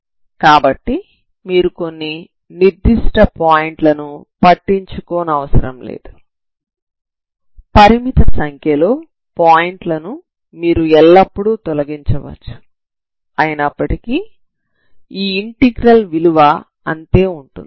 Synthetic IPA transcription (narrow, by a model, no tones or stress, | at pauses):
kaːbɐʈːi | miːɾuko̞nːi | niɾd̪iʂʈɐpaːjiɳʈlɐnupɐʈːiɲt͡ʃukɔːnɐɐʋɐsɐɾɐmlḛːd̪u | pɐɾimit̪ɐsɐŋkʰjɐlo̞ː | paːjiɳʈlɐnu | miːɾuɛlːɐpːuɽut̪ɔlɐɡiɲt͡ʃɐʋɐ̰t͡ʃːu̥ | ɐjɐnɐpːɐʈiki | iːɳʈiɡɾɐlʋiluʋɐ | ɐnt̪e̞ːuɳʈund̪i